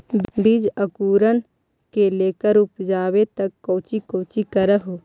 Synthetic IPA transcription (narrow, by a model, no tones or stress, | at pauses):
bid͡ʒɐkuːɾən | keleːkəɾʊpd͡ʒaːwet̪ɐkːoːt͡ʃikoːt͡ʃikɐɾəɦo